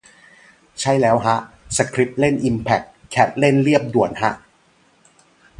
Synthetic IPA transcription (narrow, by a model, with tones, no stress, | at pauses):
t͡ɕʰa˦˥˩jlɛː˦˥wɦa˦˥ʔ | sa˧kʰɾi˦˥p̚le˥˩nʔi˧mpʰɛ˨˩kʰːɛ˦˥t̪̚le˥˩nli˥˩əp̚du˨˩ənha˦˥ʔ